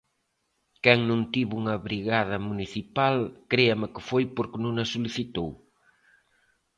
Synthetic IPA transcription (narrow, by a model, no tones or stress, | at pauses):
kɛŋnũŋt̪iβuŋɐβɾiɣað̞ɐmuniθipalkɾeɐmɪkɪfojpoɾknõŋɐsuliθit̪ow